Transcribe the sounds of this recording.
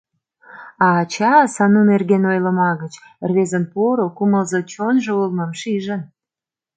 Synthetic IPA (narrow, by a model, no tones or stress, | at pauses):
ɑːt͡ɕɑsɑnunerɣenojlə̆mɑɣət͡ɕrβezənpoɾokuməlzot͡ɕonʒŏulməmʃiʒən